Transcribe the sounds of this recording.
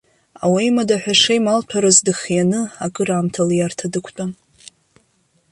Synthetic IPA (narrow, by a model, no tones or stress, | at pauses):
a̰wajmadaħʷᶣaʂejmalpʰaɾazdɨχjanɨakʼɨɾaːmtʰaljartʰadɨkʷʰt͡pʼa